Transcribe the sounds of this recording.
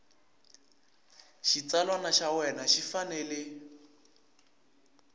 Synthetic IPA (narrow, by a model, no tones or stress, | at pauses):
ʃit͡salwanaʃawɛnaʃifanɛlɪ